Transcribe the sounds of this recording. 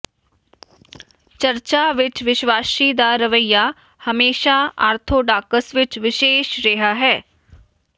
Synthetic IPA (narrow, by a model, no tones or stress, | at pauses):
t͡ʃəɾt͡ʃaːʋɪt͡ʃʋɪʃʋaːʃiːd̪aːɾəʋəijaː | həmeːʃaːa̰ːɾt̪ʰoːɖaːkəsʋɪt͡ʃʋɪʃeːʃɾɛɦaːɦɛː